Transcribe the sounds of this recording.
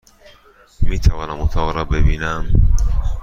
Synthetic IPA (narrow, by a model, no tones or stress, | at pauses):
miːt̪ʰævɒːnamut̪ʰɔːʁɾɔbebiːnæm